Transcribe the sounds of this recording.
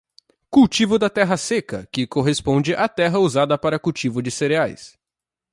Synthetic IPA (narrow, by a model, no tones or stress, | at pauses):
kuwt͡ʃivʊd̪ɐt̪ɛɦɐsekɐkɪkoɦespõd͡ʒɪʔat̪ɛɦɐuzad̪ɐpaɾɐkuwt͡ʃivʊd͡ʒɪseɾeajs